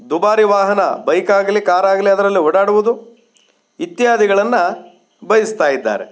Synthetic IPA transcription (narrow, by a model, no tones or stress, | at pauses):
d̪ubaːɾiʋaːɦɐnɐbɐjkaːɡɐlikaːɾaːɡɐliɐd̪ɐɾɐlːiɦɔɽaːɽuʋud̪u | it̪ːjjaːd̪iɡɐɭɐnːɐ | bɐjɐst̪aːjid̪ːa̰ːɾe